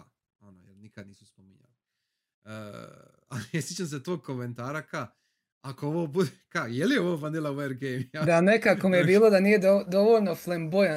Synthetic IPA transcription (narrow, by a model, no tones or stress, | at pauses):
anojḛɾnikad̪̚niːsuspomiɲa̰li | əː | a̰liesjit͡ʃans̬et̪oːɡ̚koment̪aːɾaka | akooʋoːbud̪ekajelijeoʋoːfand̪ilaweɾɡejmjad̪anekako̞mijebiːlˠo̞d̪aniːje̞d̪od̪o̞ʋoʎno̞flemboj